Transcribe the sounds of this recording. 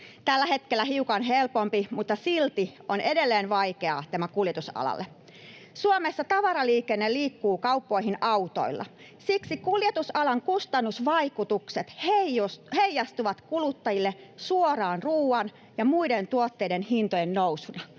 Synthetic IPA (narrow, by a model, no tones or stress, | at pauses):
t̪ælːæhet̪kelːæhiukɑnɦelpompimut̪ːɑsilt̪ione̞delːeːnʋɑikeɑ̰t̪æmækuljet̪usɑ̰lɑ̰lːe | suomesːɑt̪ɑʋɑɾɑliːkenːeliːkːuːkɑupːoiɦinɑut̪o̰ilːɑ̰ | siksikuljet̪usɑlɑŋkust̪ɑnːusʋɑikut̪ukset̪hesheijːɑst̪uʋɑt̪kulut̪ːɑjilːesuorɑːnruːɑn | jɑmuident̪uot̪ːeidenhint̪ojennowsunɑ